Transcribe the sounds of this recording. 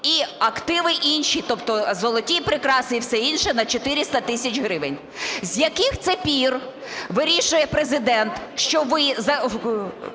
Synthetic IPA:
iɐkt̪ɪʋɪʔinʃit̪ɔpt̪ɔzɔlˠɔtʲipɾɪkɾɑsnʲiwsɛinʃɛnɐt͡ʃɔt̪ɪɾʲɪst̪ɐt̪ɪsʲɐt͡ʃʲɦɾɪʋenʲ | zʲjɐkɪxt̪sɛpʲir | ʋɪɾʲiʃʊjɛpɾezɪd̪ɛnt̪ʃt͡ʃɔʋɪzɐ

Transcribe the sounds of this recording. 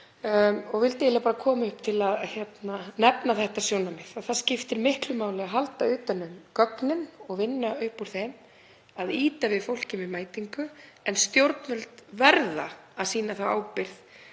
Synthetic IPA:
ɔɣvɪlt̪ːlɪapaːɾakʰɔːmʏhp̚t̪ʰɪlaðçjɛt̪nanɛpnaθɛht̪asjownamɪθaðθaðscɪft̪ɪɾmɪhklʏmaːwlɪɣaɦalt̪aʏːt̪anːʏmkœknɪnɔɣvɪnːaʏhpuɾ̥θejm | aðiːt̪avɪðfowlcɪmɪmaːjt̪iŋkʏ | ɛnst̪jowɾt̪nʏlt̪vɛɾða̰ːðsiːnaθawa̰ːwpɪɾθ

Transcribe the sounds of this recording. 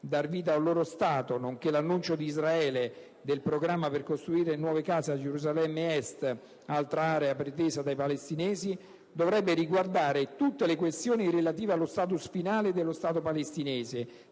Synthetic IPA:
d̪arviːt̪aulːoːɾost̪aːt̪onoŋk̟elanːunt͡ʃod̪iːzɾaɛːle | d̪elpɾoɡɾamːaperkost̪ɾuiːɾenwɔːvekaːzead͡ʒeɾuzalɛmːeɛst̪ | alt̪ɾaaːɾeapɾet̪eːzad̪ajpalest̪inɛːzi | d̪ovɾɛbːeɾiɡward̪aːɾet̪ut̪ːelekwest̪joːnirelat̪̬iːvealːost̪aːt̪̬usfinaːled̪elːost̪aːt̪̬opalest̪inɛːze

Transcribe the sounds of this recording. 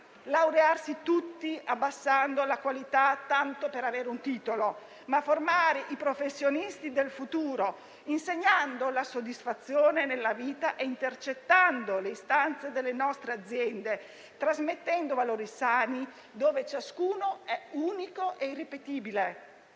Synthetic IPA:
lawɾearsit̪ut̪ːiabːasːand̪olakwalit̪at̪ːant̪opeɾaveːɾeunt̪iːt̪olo | maformaːɾeʔipɾofesːjonist̪id̪elfut̪uːɾo | inseɲːand̪olasod̪ːisfat̪sːjoːnenelːaviːt̪aʔeint̪ert͡ʃet̪ːand̪oleist̪ant̪sed̪elːenɔst̪ɾead̪zːjɛnd̪e | t̪ɾazmet̪ːɛnd̪ovaloːɾisaːni | d̪oːvet͡ʃaskuːnoɛuːnikoʔeirːipet̪iːbile

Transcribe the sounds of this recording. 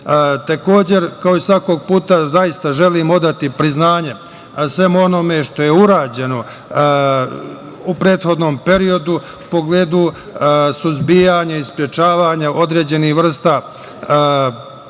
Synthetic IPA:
t̪eko̞ːd͡ʑe̞ɾkao̞isʋako̞ːɡ̚puːt̪azajist̪aʒe̞liːmo̞d̪at̪ipɾiznaːɲe̞ | sʋe̞muo̞no̞me̞ʃt̪o̞jeuɾaːd͡ʑe̞no̞ | upɾe̞ːt̪xo̞d̪no̞ːmpe̞ɾio̞d̪u | po̞ɡleːd̪u | suzbijaɲaispɾjet͡ʃaːʋaːɲaʔo̞d̪ɾe̞ːd͡ʑe̞nihʋr̩st̪aː

